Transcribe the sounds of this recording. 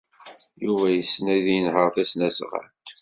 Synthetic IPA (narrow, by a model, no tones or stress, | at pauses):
juvæjəsːnæðinhəɾθæsnæsʁə̰nt̪